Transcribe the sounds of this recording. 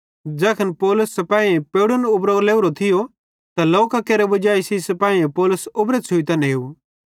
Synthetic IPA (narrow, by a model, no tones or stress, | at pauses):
d͡ʒɛːkʰənpɔːlʊsːɛpaːiẽpeːɽʊnʊbɾoːɡleːʊɾot̪ʰɪjo | t̪aloːkakeːɾebɐd͡ʒaːisisɐpaːĩẽpɔːlʊsʊbɾesʰʊit̪ɐnɦeːu